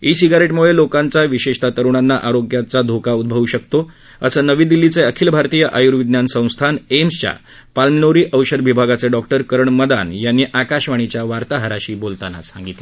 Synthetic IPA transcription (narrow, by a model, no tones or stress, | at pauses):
isiɡaɾeʈmuɭelokãnt͡saʋiɕeʂt̪ʰat̪əɾuɳ̃anːaʔaɾoɡjat͡sad̪ʱokaud̪̚bʱəʋuɕək̚t̪o | ə̰səːnəʋĩːd̪ilːit͡seəkʰiːlbʱaɾt̪iːjəʔajuɾʋid̪njansə̃w̃st̪ʰanemst͡ɕja̰ | palmnoɾiːʔəwɕəd̪ʋibʱaɡat͡seɖɔk̚ʈəɾkəɾəɳməd̪a̰njanːiːʔakaɕʋaɽ̃it͡ɕjaʋaɾt̪aɦəɾaɕiːbolt̪ana̰sãŋɡit̪le